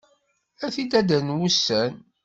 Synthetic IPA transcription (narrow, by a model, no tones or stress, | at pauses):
æθid̪æd̪ənwusːæn